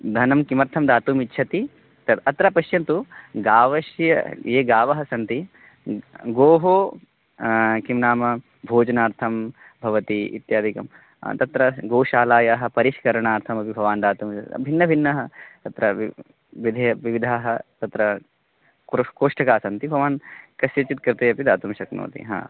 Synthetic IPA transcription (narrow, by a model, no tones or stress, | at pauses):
d̪ʱɐnɐmkimɐɾt̪ʰɐmd̪aːt̪uːmitːʃʰɐt̪i | t̪ɐt̪ɐt̪ɾɐpɐʃjɐnt̪uɡaːʋɐʃjɐ̰jeːɡaːʋɐɦɐsɐnt̪i | ɡoːɦoː | kimnaːmɐ | bʱoːd͡ʒɐnaːɾt̪ʰɐm | bʱɐʋɐt̪iḭt̪jaːd̪ʱikɐ̰m̰ | t̪ɐt̪ɾɐɡoːʃaːlaːjaːɦɐ̆pɐɾiʃkɐɾɐɳaːɾt̪ʰɐmɐpibʱɐʋaːnd̪aːt̪umɐbʱinːɐbʱinːɐɦɐt̪ɐt̪ɾɐʋ | ʋid̪ʱɐɐʋiʋid̪ʱaːɦɐt̪ɐt̪ɾɐ | kɾkoːʂʈɐkaːsɐnt̪ibʱɐʋaːnkɐsjɐt͡ʃit̪̚kɾɪt̪ɐjɐpid̪aːt̪umʃɐkno̰ːt̪ḭɦa̰ː